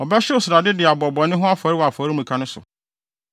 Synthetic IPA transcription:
ɔ˨bɛ˦ɕɪ˦ʊ˦˨sʊ˨ɾa˨dɪ˦dɪ˨a˨bɔ˨bɔ˨nɪ̃˦ɦʊ̃˦a˦faː˨˦ɾi˦wa˨fɔː˨˦ɾi˦mũ˨kʰã˦nʊ̃˦sʊ̰˨

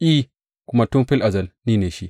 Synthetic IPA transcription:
ʔiː˦ | kʷʊ˦ma˦tu˦mɸi˦lʔa˨zɐ˦˨lniː˦neː˨ʃi˦

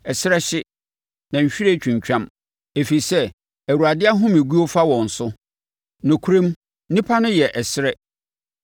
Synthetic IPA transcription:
ɛ˨sɪ˦ɾɛ˦ɕɪ˦ | nã˨ɲ̩˨ɕᶣi˦ɾe˦t͡ɕᶣũ˨ɲ˨t͡ɕᶣã˦m | e˨fi˨sɛ˦ | æ˨wu˨a˨dɪ˦a˦ɦʊ̃˦mɪ̃˨ɡu˦o˦fa˦wɔ̃˨n̩˨sʊ˦ | nʊ̃˨kʰu˦ɾẽ˦m | nĩ˦pʰa˦nʊ̃˦jɛ˨ʔɛ˨sɪ˦ɾɛ˦

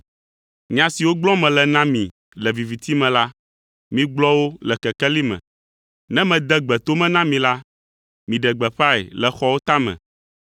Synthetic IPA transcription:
mĩ˨ã˨si˨wo˦ɡ͡blɔ̃˦mɛ̃˨lɛ˨nã˦mĩ˨ | lɛ˨vi˨vi˨t̪i˦mɛ̃˨la˦ | mĩ˦ɡ͡blɔ˦wo˦lɛ˨kɛ˨kɛ˦li˦mɛ̰̃˨ | nɛ̃˦mɛ̃˨d̪ɛ˦ɡ͡bɛ˨t̪o˦mɛ̃˦nã˦mĩ˨la˦ | mĩ˨ɖɛ˨ɡ͡bɛ˨ɸa˦ɛ̰˨lɛ˨xɔ˦wo˦t̪a˦mɛ̰̃˨

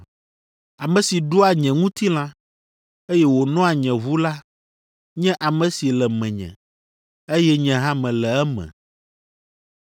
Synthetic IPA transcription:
a˨mɛ̃˨si˨ɖo˦a˨ɲɛ̃˨ŋũ˦t̪i˦l̃ã˦ | e˦jɛ˦wo˨nɔ̃˦a˨ɲɛ̃˨vu˦la˦ | ɲɛ̃˦ʔa˨mɛ̃˨si˨lɛ˨mɛ̃˨ɲɛ̰̃˨ | e˦jɛ˦ɲɛ̃˨ɦã˦mɛ̃˨lɛ˨ɛ˦mɛ̰̃˨

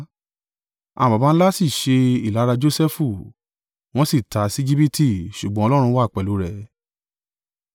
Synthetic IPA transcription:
ã̰˨ba˨ba˧n̩˦la˦si˦˨ʃe˧i˦˨la˨˦ɾa˧d͡ʒo˦sɛ˦fu˦˨ | w̃ɔ̃˦si˦˨ta˨˦si˦d͡ʒi˦pi˦ti˦˨ʃu˨ɡ͡bɔ̃˦ɔ˧lɔ˦ɾ̃ũ˧˦wa˦˨k͡pɛ˨lu˨˦ɾɛ˦˨

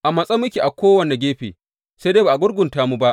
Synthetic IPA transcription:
ʔa˨mɐ˨sʼɐ˦mʊ˦kʲi˨ʔa˨kʷoː˦wɐ˨ne˨ɡʲeː˦ɸḛː˨ | se˦deː˦baː˨ʔa˨ɡʷʊ˦ɽɡʷʊ˨ntaː˦mu˦ba˦ʔ

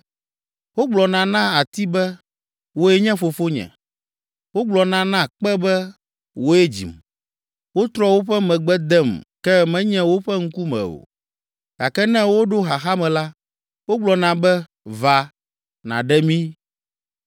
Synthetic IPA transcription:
wo˦ɡ͡blɔ˨nã˨nã˦a˨t̪i˦bɛ˦ | wo˦ɛ˦ɲɛ̃˦fo˨fo˦ɲɛ̰̃˨ | wo˦ɡ͡blɔ˨nã˦nã˦k͡pɛ˦bɛ˦ | wo˦ɛ˦d͡ʑḭ˨m | wo˦t̪ɾɔ˦wo˦ɸɛ˦mɛ̃˨ɡ͡bɛ˦d̪ɛ˦˨mkɛ˦mɛ̃˦ɲɛ̃˦wo˦ɸɛ˦ŋ̩˦ku˦mɛ̰̃˨o̰˨ | ɡ̥a˨kɛ˦nɛ̃˦wo˦ɖo˦ɦa˨xa˦mɛ̃˨la˦ | wo˦ɡ͡blɔ˨nã˨bɛ˦ | va˨ | nã̰˨ɖɛ˦mĩ˦

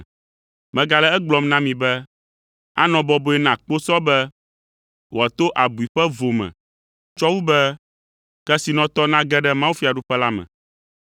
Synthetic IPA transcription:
mɛ̃˨ɡa˨lɛ˦ɛ˦ɡ͡blɔ˨mnã˦mĩ˨bɛ˦ | a̰˦nɔ̃˨bɔ˦bo˨ɛ˦nã˨k͡po˦sɔ˦bɛ˦ | wo˨a˨t̪o˦ʔa˨bu˨i˨ɸɛ˦vo˨mɛ̰̃˨ | t͡ʃɔ˦wu˦bɛ˦ | kɛ˦si˨nɔ̃˨t̪ɔ˦nã˦ɡɛ˦ɖɛ˦mã˦wu˦fi˦˨a˨ɖu˦ɸɛ˦la˦mɛ̰̃˨

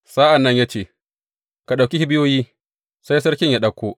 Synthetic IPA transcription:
sa˦ʔa˨nːɐ˦ɲja˦t͡ʃeː˦˨ | ka˨ɗa˨kʲi˦hi˦bɪ˦joː˦jiː˦ | sa˦jsɐ˦ɾkʲɪ˦ɲja˦ɗɐ˦kʷːoː˦

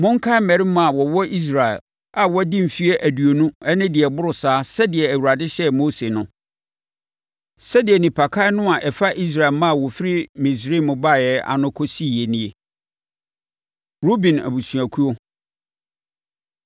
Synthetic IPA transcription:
mʊ̃˦ŋ̩˦kʰa˦mɛ̃˨ɾi˦mã˨a˨wɔ˨wɔ˦ʔi˦s̬ɾa˨ɛ̰˨l | a˨wɔ˦dɪ̃˦m̩˨fi˦e˦ʔæ˨du˨o˨nũ˦ɛ˦nɪ̃˦dɪ˨ɛ˨bʊ˦ɾʊ˨saː˨˦sɛ˦dɪ˨ɛ˨æ˨wu˨ɾa˨dɪ˦ɕɛ˦mo˦se˨nʊ̃˦ | sɛ˦dɪ˨ɛ˨nĩ˨pʰa˨kʰa˦ɪ˦nʊ̃˦a˨ʔɛ˨fa˦ʔi˦s̬ɾa˨ɛ˨lmã˦˨wɔ˨fi˦ɾi˦mĩ˨s̬ɾi˦˨mʊ̃˨ba˦˨jɛ˦a̰˨nʊ̃˦kʰɔ˦si˦˨je˨nĩ˦e˨ | ɾo˦bĩ˨næ̰˨bu˨su˨a˨kʰu˦o˦

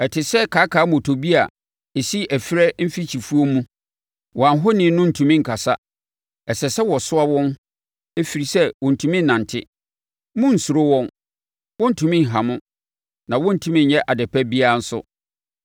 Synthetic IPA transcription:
ɛ˨tʰɪ˨sɛ˦kʰaː˨˦kʰa˨˦mõ˨tʰo˨bi˦a˨ | e˨si˦æ˨fɪ˦ɾɛ˦m̩˦fi˦t͡ɕʰi˨fu˦o˦mũ˦ | wɔ̃˨ã˨n˦ɦʊ˦nɪ̃˨˦nʊ̃˦n̩˨tʰũ˨mĩ˦ŋ̩˨kʰa˨sa˦ | ɛ˨sɛ˨sɛ˦wɔ˨sʊ˦a˦wɔ̃˦n | e˦fi˨ɾi˨sɛ˦wɔ̃˨n̩˨tʰũ˨mĩ˦nː˨ã˨n˨tʰɪ˦ | mʊ̃˦n̩˨su˨ɾo˦wɔ̃˦n | wɔ̃˦n̩˦˨tʰũ˨mĩ˦ŋ̩˨ɦã˨mʊ̃˦ | nã˨wɔ̃˦n̩˨tʰũ˦mĩ˦n˨jɛ˦ʔa˨dɛ˨pʰɛ˦bi˦a˦n̩˦sʊ̰˦

